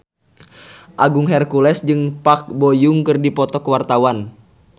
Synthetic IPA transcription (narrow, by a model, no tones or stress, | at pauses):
ʔaɡuŋɦɛrkulɛsd͡ʒɨŋpak̚bojuŋkɨrdipɔt̪ɔkəwart̪awan